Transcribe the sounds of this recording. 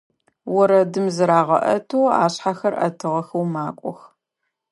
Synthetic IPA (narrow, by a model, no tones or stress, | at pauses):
wɔɾɐdɨmzɨɾaːʁɐ̰ʔɐtʰoːa̰ːɕħaxɐrʔɐ̰tʰɨʁɐxɐwmaːkʷʼɔx